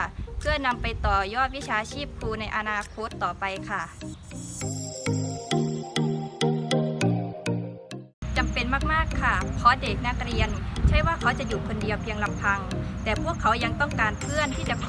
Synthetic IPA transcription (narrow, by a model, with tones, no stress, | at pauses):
pʰɯ˥˩əna˧mpa˧jt̪ɔː˨˩jɔː˥˩t̪̚wi˦˥t͡ɕʰaː˧t͡ɕʰiː˥˩p̚kʰuː˧na˧jʔa˧naː˧kʰo˦˥t̪ːɔː˨˩pa˧jkʰa˥˩ | t͡ɕa˨mpe˧nmaː˥˩k̚maː˥˩kʰːa˥˩pʰɔ˧˥de˨˩k̚na˥˩k̚ɾi˧ənt͡ɕʰa˥˩˨jwaː˥˩kʰa˦˥wt͡ɕa˨˩juː˨˩kʰo˧ndi˧əwpʰi˧əŋla˧˩mpʰa˧ŋt̪ɛː˨˩pʰu˥˩əkʰːa˩˦wja˧ŋt̪ɔ˥˩ŋkaː˧npʰɯ˥˩ənt̪ʰiː˥˩t͡ɕa˨˧˩kʰ